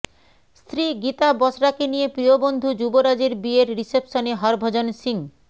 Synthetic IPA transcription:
st̪ɾiɡit̪abɔsɾakenijepɾiobond̪ʱud͡ʑuboɾad͡ʑeɾbieɾɾisepʃoneɦɔɾbʱod͡ʑonsiŋ

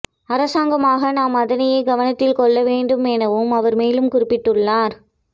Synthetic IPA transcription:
ɐɾɐsaːŋɡɐmaːɣɐnaːmɐðɐnɐjɐɪɡɐʋɐnɐt̪ːɪlkɔɭːɐʋeːɳɖɯmɛnɐʋɯmɐʋɐɾmeːlɯmkʊɾɪpːɪʈːɯɭːaːɾ

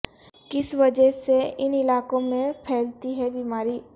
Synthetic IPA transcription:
kɪsʋɐd͡ʒəseɪnɪlaːkõmẽpʰɛːlt̪iɦɛbiːmaːɾiː

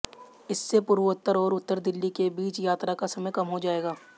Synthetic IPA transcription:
ɪsːepʊɾʋət̪ːəɾɔːɾʊt̪ːəɾd̪ɪlːikebiːt͡ʃjaːt̪ɾakasɐməjkɐmɦod͡ʒaːeːɡaː

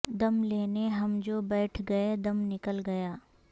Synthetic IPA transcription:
d̪ɐmleːneɦɐmd͡ʒoːbɛːʈʰɡɐed̪ɐmnɪkəlɡɐjaː

